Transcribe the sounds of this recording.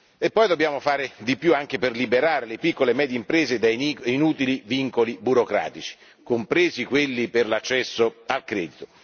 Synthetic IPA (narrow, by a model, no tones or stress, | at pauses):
epːɔjd̪objaːmofaːɾed̪ipjuaŋk̟eperlibeɾaːɾelepikːolemɛːd̪jeimpɾeːzed̪ainuːt̪iliviŋkolibuɾokɾa̰ːt̪it͡ʃi̥ | kompɾeːzikwelːiperlat͡ʃːɛsːoalkɾɛːd̪it̪o̥